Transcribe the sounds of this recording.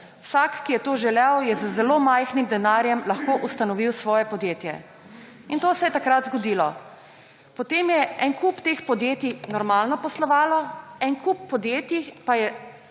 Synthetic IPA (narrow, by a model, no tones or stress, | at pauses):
wsaːkːijɛt̪oːʒɛlɛwjɛzəzɛloːmajxnimd̪ɛnaːɾjɛmlɐxkoːʔust̪anɔʋiwsʋɔːjɛpɔd̪jeːt̪jɛ̰ | int̪oːsɛjɛt̪akɾat̪zɡɔd̪iːlɔ | pɔt̪eːmjɛɛnkupt̪eːxpɔd̪jeːt̪inɔɾmaːlnɔpɔslɔʋaːlɔɛnkupːɔd̪jeːt̪ipajɛ